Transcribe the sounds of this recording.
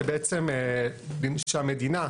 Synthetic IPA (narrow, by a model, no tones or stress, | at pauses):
ebeʔet͡semelinʃeamed̪ina